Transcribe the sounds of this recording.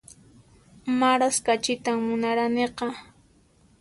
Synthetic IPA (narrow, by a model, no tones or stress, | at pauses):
maɾaskat͡ʃɪt̪amːʊnaɾaneqɑ